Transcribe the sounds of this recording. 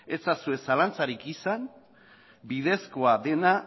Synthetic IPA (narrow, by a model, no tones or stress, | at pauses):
e̞t͡sasue̞salant͡saɾikisan | bið̞e̞sko̞aðe̞na